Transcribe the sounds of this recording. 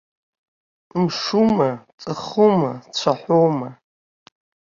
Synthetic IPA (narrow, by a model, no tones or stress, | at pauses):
mʂumat͡sʼɨχumat͡ɕʷʰaħʷowma